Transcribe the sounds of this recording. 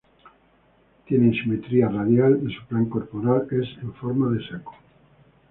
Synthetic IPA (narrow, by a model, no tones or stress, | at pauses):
t̪je̞nẽnʃimet̪ɾiaraðjalensu̥plaŋko̞ɾpoɾale̞seɱfo̞ɾmaðe̞seko̥